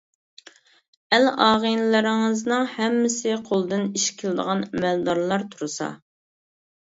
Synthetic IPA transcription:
ɛlɑːʁənlɪɾɪŋɨznɨŋhɛmːɪsɪqʰolˠd̪ɨniʃkʲʰɪld̪ə̰ʁɑnɛmɛld̪ɑɾlˠɑɾt̪ʰuɾɨsɑ̰

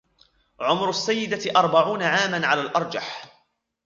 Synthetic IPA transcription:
ʕʊmɾʊasːajːɪd̪aʔɑɾˤbaʕuːnaʕaːmanʕalaːlʔɑɾˤd͡ʒa̰ħ

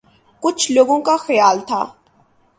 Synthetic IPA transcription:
kʼut͡ʃʰloɡʊŋkʼaxɛjaːlt̪ʰa̰

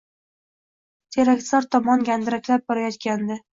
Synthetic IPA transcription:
t̪ʲʰeɾak̪ʲsaɾt̪ʰɒmɒnɡʲand̪ɪɾakʲlap̚bɒɾajɒt̪kʲand̪ɪ

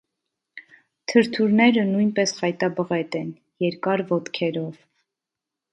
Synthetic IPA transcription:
t̪ʰəɾt̪ʰuɾnɛɾənujnpɛsχɑjt̪ɑbəʁɛt̪ɛn | jɛɾkɑɾvɔt̪kʰɛɾɔv

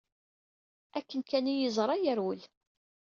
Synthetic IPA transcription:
ækːənkænijəzˤɾˤɑjəɾwəl

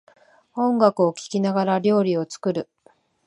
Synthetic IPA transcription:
õ̞ŋɡakɯ̟o̞kʲi̥kʲinaɡaɾaɾʲo̞ːɾʲio̞t͡sɨ̥kɯ̟ɾɯ̟

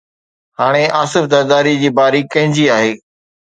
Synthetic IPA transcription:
haːɽ̃eʔaːsɪfd̪ɐɾd̪aːɾid͡ʑiːbaːɾikɐ̃ɦɪ̃ɲd͡ʑiaːɦeː

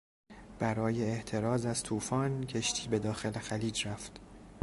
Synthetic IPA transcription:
b̥æɾɒːje̞ːht̪ʰe̞ɾɒːzæz̥t̪ʰuːfɒːncʰe̞ʃt̪ʰiːbe̞d̪ɒːxe̞lexæliːd͡ʒɾæft̪

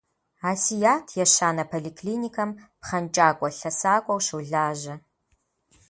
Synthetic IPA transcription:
aːsijaːtʰjɛɕaːnɐpʰolikʰliːnikʰɐmpχɐnt͡ʃʼaːkʷʼɔɬɐsaːkʷʼɔwʃɨwɮaːʒɐ

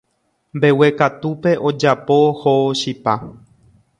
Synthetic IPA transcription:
mbe̞we̞kat̪upe̞ʔod͡ʒapo̞hoʃipa

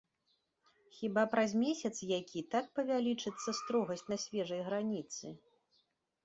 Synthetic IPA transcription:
xʲibapɾazʲmʲesʲɐt̪sjakʲʰit̪ak̚pɐvʲalʲit͡ʂɨt̪sːɐst̪ɾɔɣɐsʲtʲnɐsʲvʲɛʐɐjɣɾanʲit̪sɨ

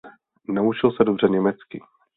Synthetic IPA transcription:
naut͡ʃɪlsɛdobr̝ɛɲɛmɛt͡skɪ

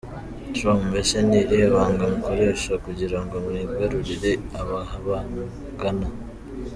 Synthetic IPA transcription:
tɾomumeʃanijeβaːŋɡamuko̞ɾe̞ːʃakuɟiɾaŋɡo̞mwiɡaɾuɾiɾe̞aβahaβa | ɡana

